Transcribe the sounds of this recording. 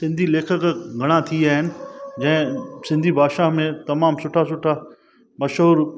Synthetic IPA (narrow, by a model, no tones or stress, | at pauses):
sɪ̃nd̪ʱileːkʰəkɡʱɐɽ̃ãt̪ʰiaːɦɪnɪ̆d͡ʑɐ̃ɦɪ̃sɪ̃nd̪ʱibʱaːʃaɦmẽt̪ɐmaːmsʊʈʰasʊʈʰa | mɐʃɦuːɾ